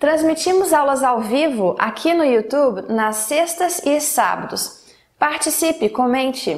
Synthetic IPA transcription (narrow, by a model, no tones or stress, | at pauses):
t̪ɾɐ̃zmit͡ʃĩmʊzawlɐzawvivʊʔa̰kʰinʊiut̪ubnɐsːest̪ɐzɪsa̰bɐd̪ʊs | paɾt͡ʃisipɪkõmẽnt͡ʃɪ